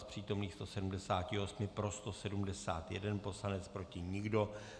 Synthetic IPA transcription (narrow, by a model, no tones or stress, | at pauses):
spr̝̥iːt̪o̞mniːxst̪o̞sɛdumdɛsaːcɪo̞smɪpɾo̞st̪o̞sɛdumdɛsa̰ːt̪jɛ̰dɛnpo̞slanɛt͡spɾo̞cɪɲɪɡdo̞